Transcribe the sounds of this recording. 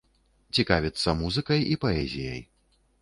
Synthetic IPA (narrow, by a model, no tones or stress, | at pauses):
t͡sʲikavʲit̪sːɐmuzɨkɐjipɐɛzʲijɐ̰j